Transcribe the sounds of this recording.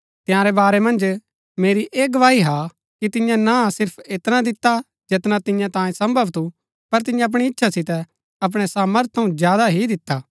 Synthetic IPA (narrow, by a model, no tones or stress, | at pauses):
t̪ɪjãːɾɛbaːɾɛmɐ̃nd͡ʒ | meːɾiʔeːɡɐʋaːɦiɦa | kit̪ɪjãnasɪɾpʰeːt̪nad̪ɪt̪ːa | d͡ʒet̪nat̪ɪ̃jãt̪ãːjẽsɐ̃mbʱəʋt̪ʰu | pɐɾt̪̬ɪjãɐp̬ɽ̃iɪtːʃʰasɪt̪ɛ | ɐp̬ɽ̃ɛsaːməɾt̪̚ʰt̪ʰːɐũzjaːd̪aɦid̪ɪt̪ːaː